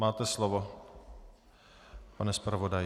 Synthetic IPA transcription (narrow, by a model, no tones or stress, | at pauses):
maːt̪ɛslovo | panɛspɾavodaj